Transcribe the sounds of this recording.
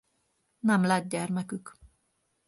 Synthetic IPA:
nɛmlɛd̪̚ɟɛrmɛkyk

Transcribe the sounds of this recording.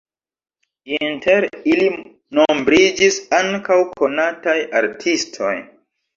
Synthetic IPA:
inteɾili | nombɾid͡ʒisaŋkawkʰo̞nataja̰ɾtʰistʰo̞̰j

